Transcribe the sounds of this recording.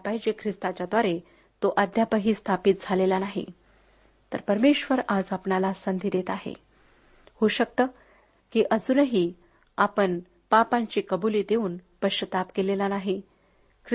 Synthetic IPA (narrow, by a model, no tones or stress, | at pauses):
pajd͡ʑekʰɾist̪at͡ɕjad̪ʋaɾe | t̪oʔəd̪japəɦiːst̪ʰapit̪̚d͡zʱalelanaɦḭ | t̪əɾpəɾmeɕʋəɾad͡zapɳalasənd̪ʱiːd̪et̪aɦḛ | hoɕək̚t̪ə | kiːʔəd͡zuːnəɦiː | apəɳ | papaɲt͡ɕiːkəbuliːd̪euːnpəɕət̪apkelelanaɦi | kʰɾ